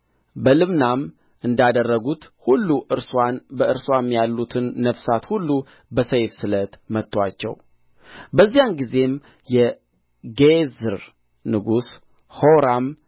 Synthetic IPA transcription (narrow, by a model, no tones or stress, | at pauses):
bəlɨmnam | ɨnd̪ad̪ərːəɡut̪hulːuʔɨɾswanbəɨɾswamjalːut̪ʰɨnːəfsat̪hulːu | bəsəjfsɨlət̪mət̪ʼːwat͡ʃːɛ̰w | bəzːijanɡize̞m | jɛ | ɡezɨɾ | nɨɡus | hoɾam